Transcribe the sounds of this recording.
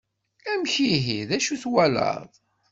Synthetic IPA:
æmçiɦiðæʃuθwælə̰ðˤ

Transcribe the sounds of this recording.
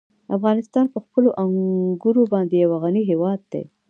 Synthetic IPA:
afɣɑnɪst̪ɑnpəxpəloʔaŋɡuɾobɑnd̪ejawaɣaniɦewɑd̪̚ːḛ

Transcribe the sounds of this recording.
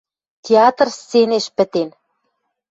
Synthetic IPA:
t̪ʲeɑt̪rst͡seneʃpɘ̆t̪en

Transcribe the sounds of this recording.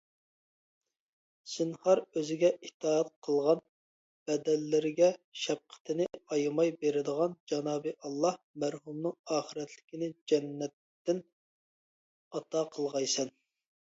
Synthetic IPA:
sɪnhɑɾøzɪɡʲɛʔiht̪ʰɑːɛt̪̚qʰəlˠʁɑn | b̥ɛd̪ɛlːɪɾɪɡʲɛʃɛp̚qʰə̥t̪ʰɪnɪɑjmɑjbeɾɪd̪əʁɑnd͡ʒɑnɑːbɨʔɑlˠːɑh | mæɾɦumnɨŋɑːχəɾɛt̪ʰlɪkʲɪnɪd͡ʒɛnːɛt̪ːɪn | ɑt̪ʰɑqʰəlˠʁɑjsɛn

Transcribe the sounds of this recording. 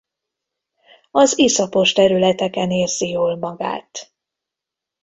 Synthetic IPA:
ɒzisɒpo̞ʃt̪ɛɾylɛt̪ɛkɛneːrzijoːlmɒɡa̰ːt̪

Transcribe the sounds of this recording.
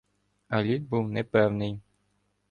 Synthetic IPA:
ɐlʲid̪̚buwnɛpɛwnɪj

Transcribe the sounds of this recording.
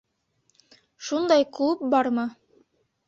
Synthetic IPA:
ʃund̪ɑjklp̚bɑɾmɤ

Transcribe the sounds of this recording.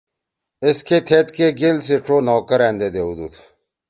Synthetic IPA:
ɪskʰet̪ʰet̪keɡelsiʈ͡ʂoːnɔːkəɾɛ̃ːnd̪eːd̪eːud̪ṵt̪ʰ

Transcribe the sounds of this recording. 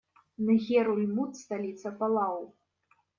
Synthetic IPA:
nɨɣʲɛɾulʲmut̪st̪alʲit̪sɐpalˠaw

